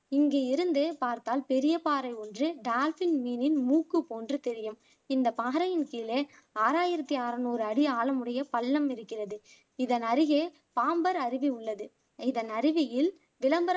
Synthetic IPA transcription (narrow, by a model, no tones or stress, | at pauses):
ɪŋɡeːɪɾɯnd̪epaːɾt̪aːlpɛɾɪjɐpaːɾɐɪɔndrɯɖaːlfɪnmiːnɪnmuːkːɯpoːndrɯt̪ɛɾɪjɯm | ɪnd̪ɐpaːɐɾɐjɪnkiːleː | aːɾaːjɪɾɐt̪ːiaːɾɐnoːɾɯɐɽɪaːɭɐmɯɽɐjɐpɐɭːɐmɪɾɯkːɪrɐðɯ | ɪðɐnɐɾɪɣeː | paːmbɐɾɐɾɪʋiʊɭːɐðɯ | ɪðɐnɐɾɪʋɪjɪl | ʋɪlɐmbɐɾ